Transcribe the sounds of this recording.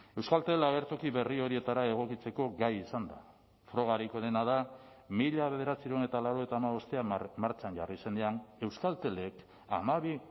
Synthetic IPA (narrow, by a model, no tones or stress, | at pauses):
e̞wskalt̪e̞laɣe̞ɾt̪o̞kiβe̞rio̞ɾie̞t̪aɾae̞ɣ̞o̞kit͡se̞ko̞ɡajisand̪a | fɾo̞ɣaɾiko̞ðe̞naða | miʎaβe̞ð̞e̞ɾat͡siɾene̞t̪alaɾoet̪aːmaβo̞st̪eamaɾt͡ʃaɲʝarise̞nd̪eane̞wskalt̪e̞le̞k | a̰maβi